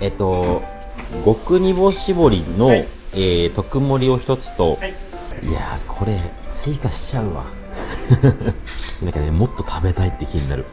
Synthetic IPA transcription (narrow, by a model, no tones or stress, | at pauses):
e̞t̪o̞ | ɡo̞kɯ̟ɲ̟ibo̞ɕibo̞ɾʲino̞eːt̪o̞kɯ̟mo̞ɾʲio̞çi̥t̪o̞t͡sɨ̥t̪o̞ | ḭa̰kʰo̞ɾe̞ | t͡sɨikaɕi̥t͡ɕaɯ̟βa̰ | nãŋkanemo̞t̪ːo̞t̪ʰabe̞t̪ait̪ːekʲiɲ̟ina̰ɾɯ̟